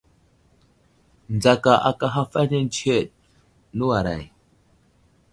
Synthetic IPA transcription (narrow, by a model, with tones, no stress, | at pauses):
n˨d͡za˨ka˨ʔa̰˨ka˦ɦa˦fa˦ne˦n˦t͡ʃe˦˨t̚ | nə˦wa˨ɾa̰˨j